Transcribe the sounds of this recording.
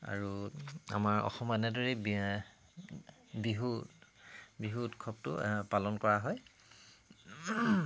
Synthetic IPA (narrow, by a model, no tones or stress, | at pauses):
a̰ɹua̰maɹɔ̰xɔmɛnɛdɔɹɛ | biɦu | biɦutkʰɔp̚tʊ̰palɔnkɔɹaɦɔj